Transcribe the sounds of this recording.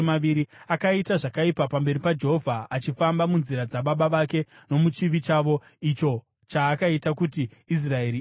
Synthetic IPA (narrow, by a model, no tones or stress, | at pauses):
maʋiɾiakaitaʐakaipapambe̞ɾipad͡ʒeɦovʱaat͡ʃifambamunziɾad͡zaɓaɓaʋake̞ | no̞mut͡ʃiʋit͡ʃaʋo̞ | it͡ʃo̞ | t͡ʃaːkaitakutiis̬rae̞ɾi